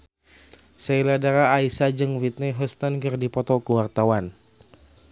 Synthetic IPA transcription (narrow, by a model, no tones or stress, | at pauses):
sailadaɾaːisad͡ʒɨŋwit̪̚nɛɦɔst̪ankərdipɔt̪ɔkəwart̪awan